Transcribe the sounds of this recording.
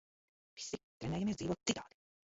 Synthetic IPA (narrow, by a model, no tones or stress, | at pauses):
vi̥sit̪ɾɛnɛːjamiːɾd̪ziːvoːt̪̚it̪ʰɑːd̪i̥